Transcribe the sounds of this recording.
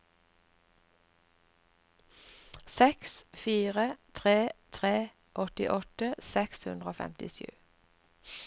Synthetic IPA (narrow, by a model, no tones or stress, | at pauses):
sɛksfiːʁət̪ʰʁeːt̪ʰʁeː | ʔɔt̪ɪ̰ʔɔt̪əsɛkshʉnd̪ʁoːfɛ̰mt̪ɪʃʉ̰ː